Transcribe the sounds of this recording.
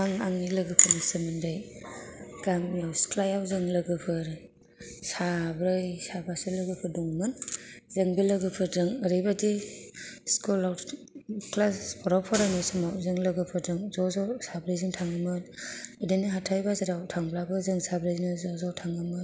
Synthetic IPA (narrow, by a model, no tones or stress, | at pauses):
aŋaŋilɯɡɯpʰɯnɯsɯmɯndaj | ɡ̥aŋijawsklajawzɯŋlɯɡɯpʰɯɾɯ | sabɾɯjsabasɯlɯɡɯpʰɯdɔŋmɯnzɯŋbilɯɡɯpʰɯɾdɯŋəɾɯjbadi | skulaw | klaspʰɔɾawpʰɔɾanɯsɯmawzɯŋlɯɡɯpʰɯɾdɯŋzɔzɔsabɾɯjzɯŋtʰaŋɯmɯnɯdiniɦatʰajbazaɾawtʰaŋblabɯzɯŋsabɾɯjznɯzɔzawtʰaŋɯmɯ